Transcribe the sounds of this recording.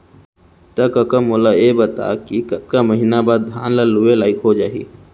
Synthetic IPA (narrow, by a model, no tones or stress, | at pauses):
t̪ɐkɐkəmoːlajebɐt̪a̰kikɐt̪̚kaməɦinabaːd̪̚d̪ʱja̰ːnlalʊelaːɪkɦod͡ʒaːḭ